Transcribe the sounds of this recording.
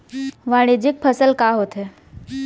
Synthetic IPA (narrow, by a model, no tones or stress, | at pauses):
ʋãːɽ̃id͡ʒɪk̚pʰəsəlkaːɦoːt̪ɦeː